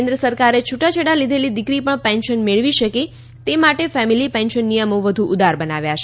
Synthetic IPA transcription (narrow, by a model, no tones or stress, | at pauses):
end̪ɾəsəɾkaɾet͡ʃʰuʈat͡ʃʰəɽalid̪ʱelid̪ɪkɾipəɳpɛ̃nʃənmeɭʋiʃəke | t̪emaʈefɛmilipɛ̃nʃənːijəmoʋəd̪ʱuʔʊd̪ʱaɾbənaʋjat͡ʃʰe